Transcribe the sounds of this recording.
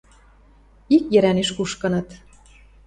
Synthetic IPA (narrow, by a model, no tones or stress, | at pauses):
ikjɘ̆ɾæneʃkuʃkɤ̆nɤ̆t̪